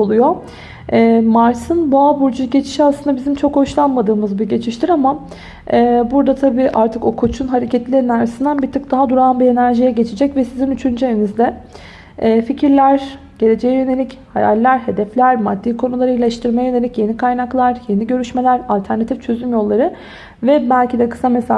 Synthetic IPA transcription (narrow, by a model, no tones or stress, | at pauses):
olˠujo̞ | ɛːmaɾsɯnboabuɾd͡ʒuɟe̞t͡ʃʰi̥ʃiaslˠɯnd̪abizimt͡ʃʰo̞kho̞ʃlˠanmad̪ɯːmɯzbiɟe̞t͡ʃʰiʃt̪ʰiɾama | ɛːbuɾd̪at̪ʰabiːʔaɾt̪ʰɯko̞kʰut͡ʃʰunɦaɾecʰɛt̪lʲinaɾsind̪ænbit̪ʰɯk̚d̪aɦad̪uɾaːnbie̞næɾʒijɛɟe̞t͡ʃʰid͡ʒɛcvɛsizinyt͡ʃʰynd͡ʒeinizd̪ɛː | ficʰiɾlʲæɾ | ɟ̥e̞ɾe̞d͡ʒejɛjøne̞lʲicha̰ja̰lʲːæɾɦe̞d̪ɛflʲæɾmad̪ːiːkʰo̞nulˠaɾɯilʲɛʃt̪ʰɯɾmajajø̞neicje̞nikʰajnaklˠaɾje̞niɟø̞ɾyʃme̞lʲæɾalʲt̪ʰæɾnat̪ʰift͡ʃʰø̞zymjo̞lˠːaɾɯ | vɛbælʲcid̪ɛkɯ̥sames